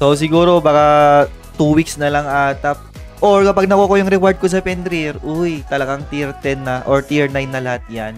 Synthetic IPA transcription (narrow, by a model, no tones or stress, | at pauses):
sos̬ɪɡuːɾo̞baːka | t̪uwiksnɐlɐŋʔat̪ɐp̚ | ʔoɹkɐpaɡ̚nɐkukojʊŋɾɛkwaɹd̪̚kos̬ɐpɛnd̪ɾiɾʔʊjt̪ɐlɐɡaŋt̪iɾt̪ɛnːɐʔoɹt̪iɹnajnːɐlɐhat̪̚jan